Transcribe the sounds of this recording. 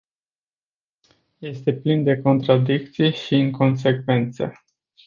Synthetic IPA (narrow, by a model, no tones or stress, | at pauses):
je̞st̪e̞plind̪e̞ko̞nt̪ɾad̪ik̚t̪sijeʃiɨŋko̞ns̬e̞kve̞nt̪sə̰